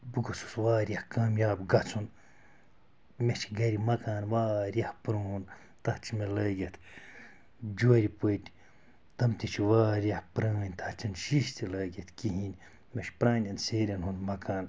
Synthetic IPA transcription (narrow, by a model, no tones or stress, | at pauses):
bɨɡusu̥sʋaːɾʲjɐhkaːmjaːbɡɐt͡sʰun | met͡ʃʰɡɐɾimɐkaːnʋaːɾjɐhpɾoun | t̪ɐht͡ʃʰimelɐːɡʲɐt̪ʰ | d͡ʒuːɾipot̪ʲ | t̪ɐmt̪it͡ʃʰiʋaːɾjɐhpɾaːnʲt̪ʰɐht͡ʃʰɐnʃiʃt̪ʰilɐːɡʲɐt̪ʰkiɦinʲ | meʃpɾãːnʲɐnseːɾʲɐnɦunmɐkaːn